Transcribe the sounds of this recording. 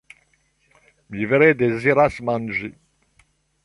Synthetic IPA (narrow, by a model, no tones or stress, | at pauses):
miveɾed̪eziɾasmãnʒi